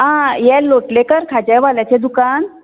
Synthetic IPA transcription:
ɦãjɛloʈlekəɾkʰad͡ʑajʋaljat͡ɕed̪ukan

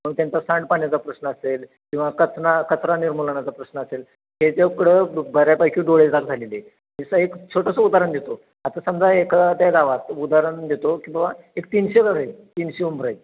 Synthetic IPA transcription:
məɡ̚t̪jant͡sasaɳɖpaɳjat͡sapɾəɕnəːsel | kĩw̃ʋakət͡sʰnakət͡sʰɾaniɾmulɳat͡sapɾəɕnəːsel | het͡seukɽəbʱəɾjapajkʰĩɖoɭed͡zaɡd͡zʱalele | misaekt͡sʰoʈəsud̪aɾəɳd̪ʱet̪o | at̪asəmd͡zaekd̪aɡaʋat̪ud̪aɾəɳd̪ʱet̪okĩw̃ʋa | ekt̪inɕeɡaɾət̪inɕeumbɾaj

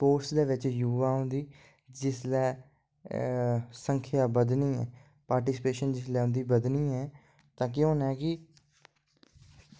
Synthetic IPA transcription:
poːɾsd̪eːʋɪt͡ʃjuːʋaːɦʊ̃nd̪iː | d͡ʒɪslɛː | səŋkʰjaːbəd̪nĩːɛ̰ː | paːɾʈɪːsɪpeːʃənd͡ʒɪslɛːɦʊ̃nd̪iːbəd̪niːɛː | t̪ãːk̬ɪõːnɛːkɪ

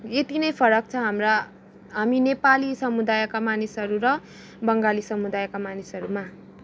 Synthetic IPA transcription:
et̪inʌjpʰʌɾʌk̚t͡sʰʌɦamra | ɦaminepalisʌmud̪ajkamanisʌɾuɾʌ | bʌŋɡalisʌmud̪ajkamanisɦʌɾuma

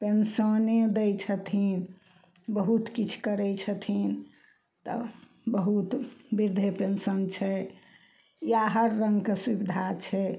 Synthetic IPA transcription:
pensəned̪ɛjt͡ʃʰət̪ʰin | bəɦut̪kit͡ʃʰkəɾɛt͡ʃʰət̪ʰin | t̪ə̰ | bəɦut̪biɾd̪ʱepensənt͡ʃʰɛ | jaɦəɾːə̃ŋɡkesubid̪ʱat͡ʃʰɛ

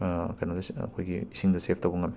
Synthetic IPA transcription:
kɐjnɐdɐsɐ̰kʰojɡḭisiŋdɐsepʰtɐwbɐŋɐm

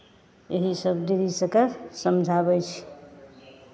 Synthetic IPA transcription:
eɦisəbd̪iɾisəkəɾsəmd͡ʒʱaβəjt͡ʃʰ

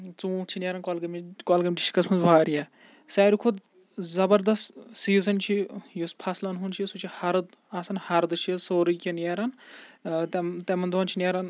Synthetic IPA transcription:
t͡sũːt͡ʃʰinʲeːɾɐnkoːlɡɐmkoːlɡɐmʲʈi̥ʃʰi̥kɐsmʰɐnzʋaːɾija | saːɾikʰud̪ | zɐbɐɾd̪ɐst̪siːzɐnt͡ʃʰijuspʰɐslɐnɦunt͡ʃʰisut͡ʃʰihɐɾd̪ | asɐnhɐɾd̪ɨt͡ʃʰisoːɾikʲinjeːɾɐn | t̪t̪emɐnd̪ʱoːnt͡ʃʰinʲeːɾɐn

